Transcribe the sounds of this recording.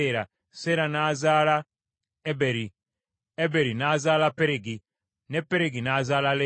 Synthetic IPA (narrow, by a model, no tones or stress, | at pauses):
ɾa | seɾanazala | ebeɾi | ebeɾinazalapeɾeɡi | nepeɾeɡinazalale